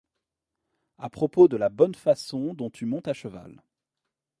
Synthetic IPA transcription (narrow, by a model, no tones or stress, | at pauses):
apχɔpod̪əlabɔnfasɔ̃d̪ɔ̃t̪ymɔ̃t̪aʃəva̰l